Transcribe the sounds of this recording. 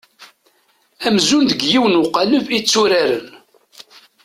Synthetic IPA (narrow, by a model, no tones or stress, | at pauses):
æmzund̪əɡjiwənuqɑləvit͡sːuɾaɾə̰n